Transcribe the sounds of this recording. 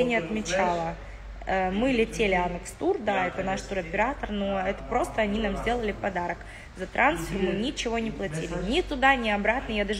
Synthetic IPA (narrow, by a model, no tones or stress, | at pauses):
nʲɪɐt̪mʲɪt͡ɕalˠə | əmɨlʲɪtʲelʲɪanɨkst̪urd̪aɛt̪ənaʂt̪uɾɐpʲɪɾat̪ərnoɛt̪ə̥pɾo̞st̪əɐnʲinamzʲdʲe̞lˠəlʲɪpɐd̪aɾək | zɐt̪ɾʔansfʲɪrmɨnʲɪt͡ɕɪvo̞nʲɪplˠɐtʲilʲɪnʲɪt̪ʊd̪anʲɪɐbɾat̪nəjad̪aʐ